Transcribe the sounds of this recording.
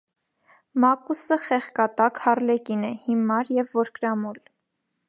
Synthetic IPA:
mɑkusəχɛχkɑt̪ɑkhɑrlɛkinɛhimɑɾjɛvːɔɾkɾɑmɔl

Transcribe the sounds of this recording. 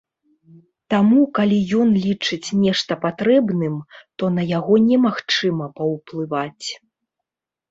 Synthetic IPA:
t̪amukalʲijɔnlʲit͡ʂɨt͡sʲnʲɛʂt̪ɐpat̪ɾɛbnɨmt̪ɔnɐjaɣɔnʲɛmaxt͡ʂɨmɐpɐwplˠɨvat͡sʲ

